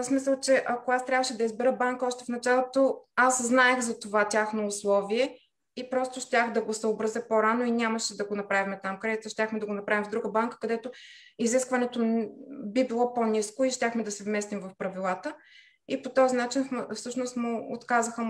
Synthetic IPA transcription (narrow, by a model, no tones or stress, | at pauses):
smisəlˠt͡ʃɛʔɐkoast̪ɾʲavəʃɛd̪ɐizbɛɾəbaŋkəɔʃt̪ɛfnɐt͡ʃalˠot̪oasznaɛxzɐt̪ovatʲaxnoːslˠɔviɛ | ipɾɔst̪oʃtʲaxd̪ɐɡosəobɾɐzəpoɾanoinʲaməʃɛd̪ɐɡonɐpɾavimɛt̪amkɾɛd̪it̪əʃtʲaxmɛd̪ɐɡonɐpɾavimvd̪ɾuɡəbaŋkə̥kɐd̪ɛt̪o | iziskvɐnɛt̪obibilˠɔponʲiskoiʃtʲaxmɛd̪ɐsɛvmɛst̪imvɐfpɾɐvilˠat̪ə | ipot̪ɔzinat͡ʃinffsɤʃnost̪moot̪kazəxə